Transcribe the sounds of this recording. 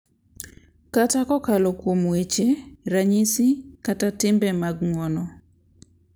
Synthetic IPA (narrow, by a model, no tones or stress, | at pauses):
katakɔkalokwomwet͡ʃeɾaɲisikatatɪmbɛmaɡŋwɔnɔ